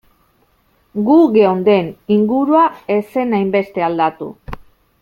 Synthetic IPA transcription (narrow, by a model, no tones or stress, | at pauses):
ɡuɣe̞o̞nd̪e̞niŋɡuɾuae̞se̞najmbe̞st̪e̞ald̪at̪ṵ